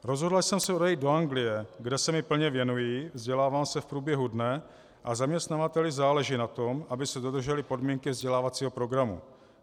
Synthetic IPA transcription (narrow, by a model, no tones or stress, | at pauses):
ɾo̞zɦodlasɛmsɛodajid̪do̞aŋɡlɪjɛɡdɛsɛmɪpl̩ɲɛvjɛnujiːvzɟɛlaːvaːmsɛfpɾuːbjɛɦudnɛ | ʔazamɲɛst̪navat̪ɛlɪzaːlɛʒiːnat̪o̞mʔabɪsɛdo̞d̪r̩ʒɛlɪpo̞dmiːŋkɪvzɟɛlaːvat͡siːɦo̞pɾo̞ɡɾamṵ